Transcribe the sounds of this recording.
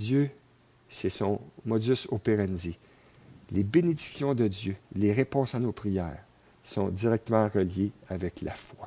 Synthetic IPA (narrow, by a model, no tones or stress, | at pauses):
jø | sɛsɔ̃mɔd͡zysopeʁanize | lebened̪iksjɔ̃d̪əd͡z̪jøleʁepɔ̃sanopʁijɛːʁ | sɔ̃d͡z̪iʁɛk̚t̪əmɑ̃ʁəljeavɛklʔa̰fwa